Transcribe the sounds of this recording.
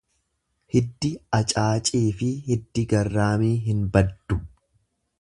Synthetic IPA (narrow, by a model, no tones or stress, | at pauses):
hɪd̪ːɪɐt͡ʃʼaːt͡ʃʼiːfɪhɪd̪ːɪɡɐrːaːmiːɦɪnbɐd̪ːʊ